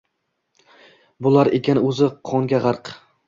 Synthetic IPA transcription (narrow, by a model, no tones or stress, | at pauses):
bʊlaɾekʲanɵzɪqʰɒŋɡʲaʁɑɾq